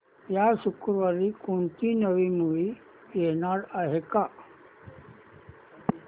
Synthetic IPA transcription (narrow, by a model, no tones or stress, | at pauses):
jasukɾʋaɾikunt̪inəʋimui | enaɾaɦeka